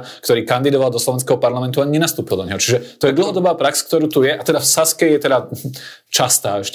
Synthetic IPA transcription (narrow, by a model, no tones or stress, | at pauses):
kt̪ɔɾiːkand̪id̪ɔʋalˠd̪ɔslɔʋɛnskɛɦɔpaɾlamɛnt̪uaɲɛnast̪uːpild̪ɔɲɛɦɔt͡ʃiʒɛt̪ɔjɛd̪l̩ɦɔd̪ɔbaːpɾaksk̚t̪ɔɾuːt̪ujɛʔat̪ɛd̪afsaskɛjɛt̪ɛd̪a | t͡ʃast̪aːɛʃcɛ